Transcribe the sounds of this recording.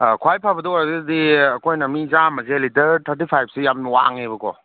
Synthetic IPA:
kʰwajpʰabɐdoɔɾddiɐkʰojnɐmizamɐzelitɐɾtʰaɾt̬ipʰajp̚ʰsijamnwa̰ŋebɐkɔ̰

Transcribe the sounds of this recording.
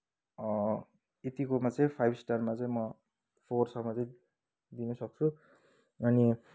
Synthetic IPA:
ʌ | et̪ikomat͡sʌĩpʰajbsʈarmat͡sʌĩmʌ | pʰorsʌmʌt͡sʌĩ | d̪inʌsʌk̚t͡sʰu | ʌni

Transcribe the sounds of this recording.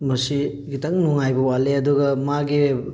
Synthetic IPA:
mɐsi | ɡitɐŋnuŋajbɐwaleɐduɡɐmaɡi

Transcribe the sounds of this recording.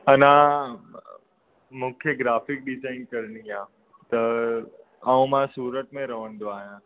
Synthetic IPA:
ənã | mʊkʰjeɡɾaːfɪk̚ɖɪd͡ʒaɪnkəɾniã | t̪ə | aũmãsuːɾət̪mẽɾəʋəɳɖ̪oaːjã

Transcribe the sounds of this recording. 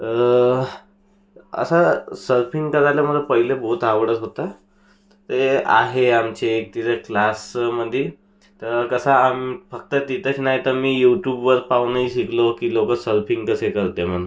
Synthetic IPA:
ə̰sasəɾpʰiŋɡkəɾaljaməd̪ʱːpəɦilebəɦut̪aʋəɽət̪ɦot̪a | t̪ea̰ɦeamt͡ɕeːk̚t̪iɾəklasməd̪ʱːje | t̪əɾkəsaːmifək̚t̪ət̪it̪ʰət͡ɕnaɦit̪əɾmiːjuʈjubʋəɾpaʋnaiɕiklokiːlokəsəɾpʰiŋɡkəsekəɾt̪emən

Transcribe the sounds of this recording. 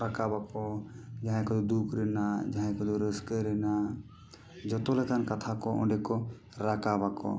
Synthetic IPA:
ɾakabakɔd͡ʒaɦãkɔd̪ɔd̪ukʰɾɛnad͡ʒaɦɛ̃kɔd̪ɔɾəskəɾɛna | d͡ʒɔt̪ɔlɛkankat̪ʰakɔʔɔ̰̃ɖɛkɔ | ɾakabakɔ̰

